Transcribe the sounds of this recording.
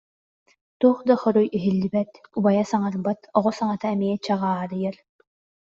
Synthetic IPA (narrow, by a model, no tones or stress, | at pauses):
t̪uːχd̪aχɔɾujʔiɦilːibɛt̪ubajasaŋaɾbat̪ɔʁɔsaŋat̪aɛmiɛt͡ɕaʁaːɾɯjɐɾ